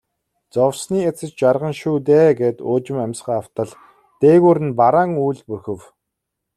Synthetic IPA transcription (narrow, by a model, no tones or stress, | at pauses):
t͡sɔwsniːet͡sɘ̆t͡ɕt͡ɕarʁə̆nʃuːt̪̬eːɡeːt̪ʊːt͡ɕɪ̆mæmʲsχaːaw̥t̪ə̆ɮ | t̪eːɣuːɾɘ̆npaɾaːŋujɮpurxɘ̆w